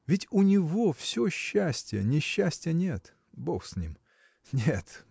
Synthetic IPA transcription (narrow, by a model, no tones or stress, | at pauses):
vʲɪtʲʊnʲɪvofsʲoɕːæsʲtʲɪjə̰nʲɪɕːæsʲtʲɪjənʲe̞t̪ | boxsʲnʲḭm | nʲet̪